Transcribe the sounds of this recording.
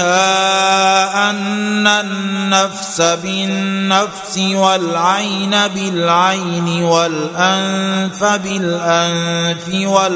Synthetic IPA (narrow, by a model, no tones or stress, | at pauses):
a | ʔanːaːafsabɪnːafsɪwalʕajnabɪlʕajnɪwalʔanfabɪlʔanfɪwa